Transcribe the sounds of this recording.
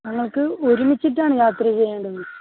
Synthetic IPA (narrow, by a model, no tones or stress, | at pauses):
nɐŋːɐɭkɨoɾumit͡ɕːiʈ̬ːaːɳɨjaːt̪rɐt͡ɕe̞jːaːɳɖɐðɐɨ